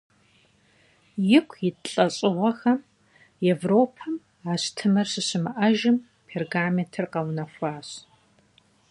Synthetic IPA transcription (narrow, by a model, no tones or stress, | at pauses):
jɪkʷʰjɪɬʼɐɕʼɪʁʷɐxɐm | evroːpʰɐm | aːɕtʰɨmɐrɕɨɕɪmɨʔɐʒɪm | pʰerɡaːmetʰɨrqɐwnɐxʷaːɕ